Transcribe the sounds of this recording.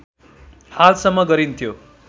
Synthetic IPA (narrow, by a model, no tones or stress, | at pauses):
halsʌmːʌɡʌɾint̪ʰjo